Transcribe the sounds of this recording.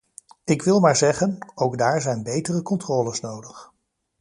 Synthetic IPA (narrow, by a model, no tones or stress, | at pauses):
ɪkʋɪlˠmaːɹzɛχənowɡdaːɹzɛjnbejtərəkɔntrɔːləsnowdəχ